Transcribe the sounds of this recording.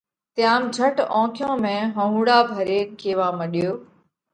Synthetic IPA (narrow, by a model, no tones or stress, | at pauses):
t̪ɪjaːmd͡ʒʱəʈɔ̃ːkʰjõːmẽːɦə̃ɦũːɽaːbʱəɾeːnkʰeːʋãːməɗɪjoː